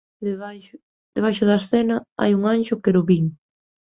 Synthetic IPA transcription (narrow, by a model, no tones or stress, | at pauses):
ðeβaj | d̪eβajʃʊðɐesθɛnɐa̰juŋanʃʊkeɾʊβiŋ